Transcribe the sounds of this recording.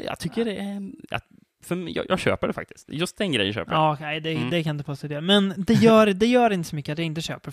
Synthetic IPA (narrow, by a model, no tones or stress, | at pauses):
jɑ̰ːt̪ʰʏkːəɾɛa̰t̪ | fœmjɑ̰jɑ̰ɡɕø̰ːpəɖɛfa̰k̚t̪ɪ̥skt̪jɵst̪̚d̪ɛnɡɾɛ̰jənɑɕø̰ːpəɾɑːkʰɛɪd̪ɛd̪ɛkʰanɪnd̪əpʰoːst̪oːd̪ɛːmɛnd̪ɛjœːɾd̪ɛjœːɾɪnt̪əsɔmʏkːəat̪d̪ɛɪnt̪əɕø̰ːpəɾ